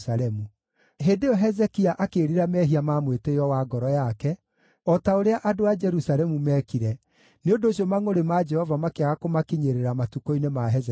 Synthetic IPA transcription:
saɾɛmu | ɦeːndeɔɦɛzɛkiaʔakeːɾiɾamɛɦiamamwetejɔwaɡɔɾɔjakɛ | ɔtaoɾeaʔadoad͡ʒɛɾusaɾɛmumɛkiɾɛ | neondoːɕiɔmaŋoɾemad͡ʒɛhɔvamakeaɣakomakiɲeɾeɾamatukoinemaɦɛzɛ

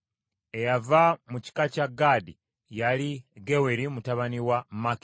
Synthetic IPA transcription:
ejavamuci̥kacaɡadi | jaliɡeweɾimutaβaniwamaki

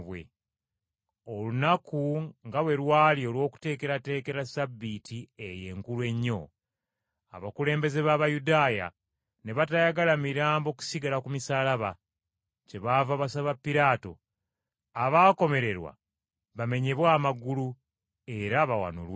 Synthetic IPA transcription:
βwḛ | olunakuŋɡawe̞ɾwaːlio̞lwo̞ːku̥te̞ːke̞ɾate̞ːke̞ɾasabːitieje̞̰ːŋkulwe̞ɲːo̞̰ | a̰βakule̞ːmbe̞ze̞βaβajudaːja̰ | ne̞βatajaɡalamiɾaːmbo̞ku̥siɡalakumisaːlaβa | ce̞βavaβasaβapːiɾaːto̞̰ | aβaːko̞me̞ɾe̞ɾwa̰ | βame̞ɲe̞βwaːmaɡulu | e̞ɾaβawa̰no̰lw

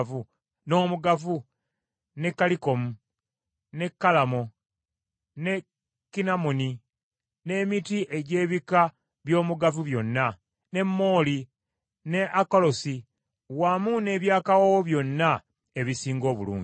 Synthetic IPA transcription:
vu | no̞ːmuɡafu | ne̞kːaliko̞mu | ne̞kːalamo̞ | ne̞ | kːinamuni | ne̞ːmitiʔe̞ɟe̞ːβika | βjo̞ːmuɡafuβjo̞nːa | ne̞mːo̞ːli | ne̞ʔakolo̞si | wamune̞ːβjaːkawawoβjo̞nːa | e̞βisiːŋɡo̞ːβṵlṵːɲ

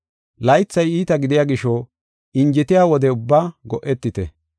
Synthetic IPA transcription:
lɐjɪt͡sːɐjiːt̪ɐɡɪd̪ɪjaːɡɪʃɔ | ɪnd͡ʒɪt̪ɪjaːwɔd̪ɛʊbːaːɡɔʔɛt̪ːɪt̪ɛ̰

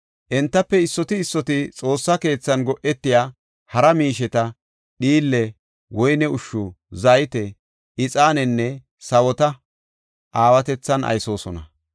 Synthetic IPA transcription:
ʔɛnt̪ːɐpːɛɪsːɔt̪ɪːsːɔt̪ɪt͡sʼo̞ːsːɐke̞ːt͡sːɐnɡɔʔɛt̪ːɪjaː | hɐɾɐmiːʃɛt̪ɐ | ɗiːlːɛ | wɔjnɛʊʃːʊ | zajt̪ɛ | ʔɪt͡sʼaːnɛnːɛ | sɐwɔt̪ɐ | ʔaːwɐt̪ɛt͡sːɐnʔɐ̰jso̞ːsɔ̰nɐ̰

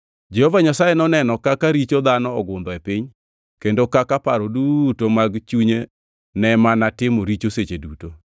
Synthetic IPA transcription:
d͡ʒɛhovaɲasajenɔnɛnɔkakaɾit͡ʃod̪anɔɔɡʊnd̪ɔepiɲ | kendokakapaɾodutomaɡt͡ʃuɲe | nɛmanatɪmoɾit͡ʃoset͡ʃeduto

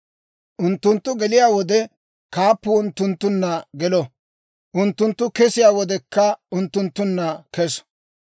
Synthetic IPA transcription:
ʔʊnt̪ːʊnt̪ːʊɡɛlɪjaːwɔd̪ɛ | kaːpːʊʊnt̪ːʊnt̪ːʊnːɐɡɛlɔ | ʔʊnt̪ːʊnt̪ːʊkɛsɪjaːwɔd̪ɛkːɐʊnt̪ːʊnt̪ːʊnːɐkɛs

